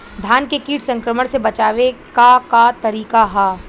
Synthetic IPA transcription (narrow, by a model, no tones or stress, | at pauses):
d̪ʱjaːnkekiːʈʰsɐ̃ŋkɾəməɽ̃sebɐt͡ʃaːʋekakat̪ɐɾiːkaɦaː